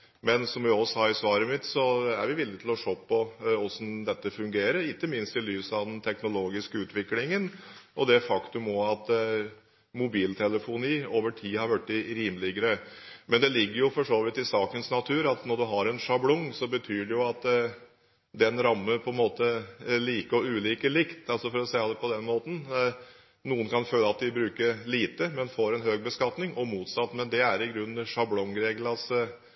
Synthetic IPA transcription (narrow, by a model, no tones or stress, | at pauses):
mɛnsɔmʋæɔsɑɪsʋɑːɾəmɪt̪sɔæ̰ɾʋɪʋɪlːɪɡt̪ʰɪlɔʂoːpʰːɔɔsɔmd̪ɛt̪ːəfʉŋɡeːɾəɾɪkːəmɪnst̪ɪlyːsɑʋd̪ɛnt̪ʰɛknʊloːɡɪskəʉːt̪ʋɪklɪŋənʔɔd̪ɛfɑkt̪ʉmɔɑt̪ | mʊbiːlt̪ʰɛləfʊniːoːʋəʈʰiːhɑɾʋæʈːɪɾiːmlɪɡəɾəmɛnd̪ɛlɪɡːəɾjʊfɔʂoːʋɪt̪ɪsɑːkənsnɑt̪ʰʉːɾɑt̪nɔɖʉɦɑɾɛnʂɑblɔŋsɔbət̪ʰyːɖɛjʊɑt̪ | d̪ɛnɾɑmːəpʰɔɛnmoːt̪əliːkəɔʉːliːkəɭɪkt̪ɑlsɔfɔɾɔsɛɪɑpʰɔd̪ɛnmoːt̪n̩ | nuːənkʰɑnføːləɑt̪̚d̪ɪbɾʉːkəɾliːt̪əmɛnfoːɾɛnɦøːɡ̚bəskɑt̪nɪŋʔɔmuːt̪sɑt̪ːmɛnd̪ɛæɾɪɡɾʉnːʂɑblɔŋɾeɡlɑs